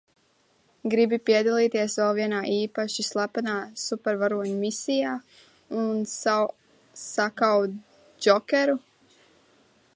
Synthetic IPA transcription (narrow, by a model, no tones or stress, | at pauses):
ɡɾibipiɛd̪alˠiːt̪iɛsvɛlˠviɛnaːʔiːpaʃislˠapanaːsupɛɾvaɾuɔɲumisʲijaː | unsaw | sakaw̪ | d͡ʒɔkʲɛɾu